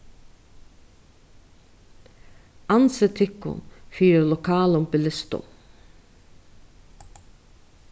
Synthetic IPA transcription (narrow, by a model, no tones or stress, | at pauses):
ʔɑnsət̪ʰɪkʊ̰nfyːɾəlʊkʰɑːlʊmpɪlɪst̪ʊ̰m